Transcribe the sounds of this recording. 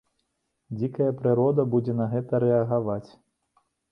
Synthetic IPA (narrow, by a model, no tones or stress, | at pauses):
d͡zʲikɐjɐpɾɨɾɔd̪ɐbud͡zʲɛnɐɣɛt̪ɐɾɛɐɣavat͡sʲ